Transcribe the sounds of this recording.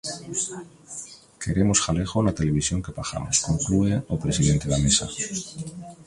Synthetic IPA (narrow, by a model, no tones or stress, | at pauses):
kʰe̞ɾe̞mo̞sxale̞xolat̪e̞le̞βisjo̞ŋke̞paxa̰moskoŋklueopɾe̞siðe̞nt̪e̞ðamesa̰